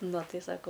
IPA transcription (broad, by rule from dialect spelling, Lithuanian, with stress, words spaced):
ˈnʊ ˈtɐɪ ˈsɑːkoː